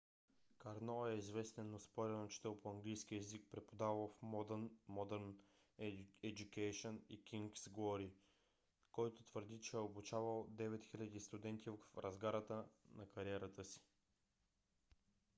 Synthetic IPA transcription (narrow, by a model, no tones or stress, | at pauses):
kɐɾnɔɛizvɛst̪ɛnːospɔɾʲɛnot͡ʃi̥t̪ɛlˠpoɐŋɡlijsk̟ʲiɛzik̚pɾɛpod̪avəlˠfmɔd̪nmɔd̪ɛɾn | ɛd͡ʒ̪ukɛjʃonikʲiŋksɡɔɾi | kɔjt̪ot̪vəɾd̪it͡ʃɛɛobut͡ʃavəlˠd̪ɛvɛt̪xilʲɐd̪ist̪ʊd̪ɛnt̪ʰʲivfɾɐzɡaɾət̪ənɐkɐɾiɛɾət̪əsi̥